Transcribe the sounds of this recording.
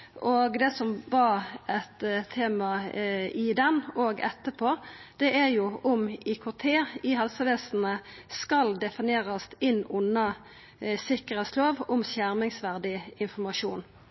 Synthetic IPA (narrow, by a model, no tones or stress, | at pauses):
ʔoːɡd̪ɛːsɔmbɑɛt̪ʰːeːmɑɪd̪ɛnoːɡɛ̰t̪ːəpʰoːd̪̥ɛæʁjʊʊmɪkʰʊʁt̪ʰeːɪɦɑlsəʋɛːsn̩ə | skɑld̪ɛfɪnjeːʁɑst̪ɪnːʊnːɑ | sɪkəʁɛːt̪sloːʋʊmsjæʁmɪŋsʋæʁd̪ɪɪnfɔmɑʃuːn